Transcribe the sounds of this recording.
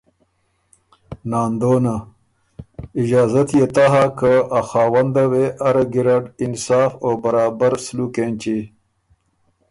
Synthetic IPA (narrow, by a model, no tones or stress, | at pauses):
nɑːnd̪ona | ɪd͡ʒɑːzat̪jet̪aɦakəaxaːwand̪aweʔaɾaɡiɾaɖɪnsɑːfobaɾɑːbaɾslukent͡ʃi